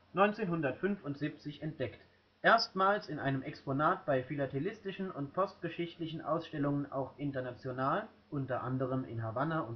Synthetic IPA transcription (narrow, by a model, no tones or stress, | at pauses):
nɔʏnt͡seːnɦʊndɐtfʏnfʊntz̥iːp̚t͡sɪçɛnt̚d̥ɛkt | ʔeːɐstmaːlsɪnʔaɪnəmʔɛksponaːt̚b̥aɪfilatʰelɪstɪʃn̩ʊntpʰɔstɡ̥əʃɪçtlɪçn̩ʔa̰ʊsʃtɛlʊŋənʔa̰ʊxʔɪntɐnat͡sjonaːl | ʔʊntɐʔandəʁəmɪ̰nɦavanaʊn